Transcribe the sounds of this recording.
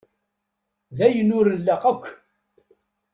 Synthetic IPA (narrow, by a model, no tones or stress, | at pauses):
ðæjənʊɾəlːaqækʷː